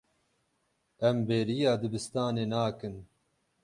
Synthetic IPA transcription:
ɛmbeːɾijɑːd̪ɨbɨst̪ɑːneːnaːkɨn

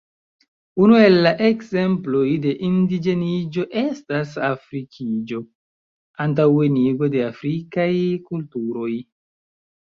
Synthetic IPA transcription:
unue̞lːaʔe̞kze̞mplo̞jde̞ʔindid͡ʒe̞nid͡ʒo̞ʔe̞stasafɾikʰid͡ʒo̞ | ant̬aweniɡo̞de̞afɾikajkultuɾo̞j

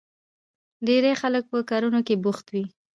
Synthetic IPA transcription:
ɖeɾexalək̚pəkɑɾunokebʊxt̪wi

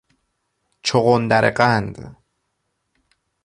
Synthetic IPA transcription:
t͡ʃʰoɣond̪æɾḛqand̪

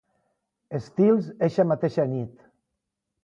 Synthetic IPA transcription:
est̪ilˠzeʃamat̪eʃanit̪

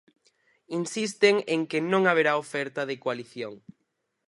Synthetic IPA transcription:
insist̪eŋeŋkenõŋaβ̞eɾaofɛɾt̪ɐðɪkoaliθjoŋ

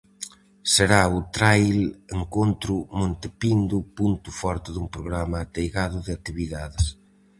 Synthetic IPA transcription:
seɾaʊt̪ɾajleŋkont̪ɾʊmõnt̪epind̪ʊpunt̪ʊfɔɾt̪ɪðumpɾoɣɾamɐːt̪ejɣaðʊðɪak̚t̪iβiðaðɪs

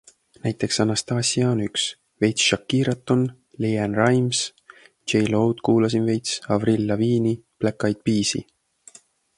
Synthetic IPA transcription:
næjt̪ːˑe̞ksɑnɑst̪ɑːsʲiɑonyks | ve̞jt̪sʃɑkːiːɾɑt̪ːˑon | lejænrɑjms | d͡ʒejlo̞wd̪̥kuːlɑs̬inve̞jt̪sɑvrilːɑviːniplækːˑɑjd̪̥̚piːsḭ

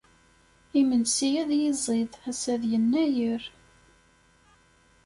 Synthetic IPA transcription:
imənsijæðjizˤiðæsæðjənːæjəɾ

